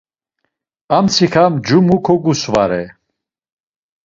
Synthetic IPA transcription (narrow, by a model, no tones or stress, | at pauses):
amt͡sʰikʰamd͡ʒumukʰɔɡusvaɾɛ